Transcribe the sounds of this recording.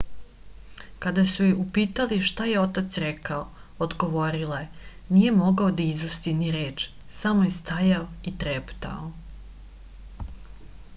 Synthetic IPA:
kad̪asujiupiːt̪aliʃt̪aje̞o̞t̪at̪sɾekao | od̪ɡo̞ʋo̞ɾilae | nije̞mo̞ɡaod̪aizust̪iniɾe̞ːt͡ʃ | samo̞jest̪ajaoit̪ɾept̪a̰o

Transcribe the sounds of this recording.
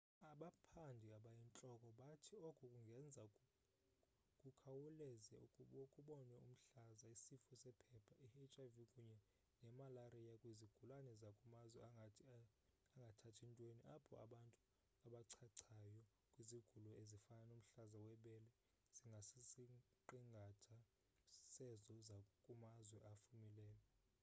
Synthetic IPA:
aɓapʰandʱiaɓajint͡ɬʼɔkʼɔɓatʰiɔkʼukʼuŋɡʱɛnd͡zʱa | kʼukʰawulɛzɛukʼkʼuɓɔnɛṵm̩ɬazaisifusɛpʰɛpʰaʔihɛt͡ʃʼavikʼuɲɛ | nɛmalarijakʼwiziɡ̥ʱulanɛzakʼumazwɛ | aŋɡʱatʰatʰintʼweniʔapʰɔ̰a̰ɓantʼu | aɓaǀʰaǀʰajɔ | kʼwiziɡ̥ʱulɔezifananum̩ɬazawɛɓɛlɛ | z̥iŋɡʱasisi | ǃiŋɡʱatʰa | sɛzɔzakʼumazwɛʔafumilɛːlɛ

